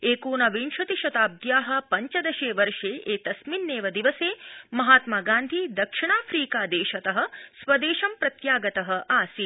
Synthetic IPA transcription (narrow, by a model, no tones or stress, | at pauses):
eːkuːnɐʋinʃɐt̪iʃɐt̪aːb̚d̪jaːɦɐ̆pɐɲt͡ʃɐd̪ɐʃeːʋɐɾʂeːʔeːt̪ɐsminːeːʋɐd̪iʋɐseːmɐɦaːt̪maːɡaːnd̪ʱid̪ɐkʂiɳaːfʰɾiːkaːd̪eːʃɐt̪ɐɦɐ̆sʋɐd̪eːʃɐmpɾɐt̪jaːɡɐt̪ɐɦɐ̆ʔaːsi